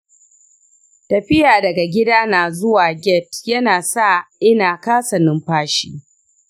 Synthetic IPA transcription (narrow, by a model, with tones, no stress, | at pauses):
tɐ˨ɸɪ˦jaː˨dɐ˨ɡa˨ɡʲɪ˦daː˦naː˨zʊ˦waː˨ɡʲɛ˦˨tjɐ˦naː˨sa˦˨ʔɪ˦naː˨kaː˦sɐ˨nɪ˦mɸaː˦ʃḭː˦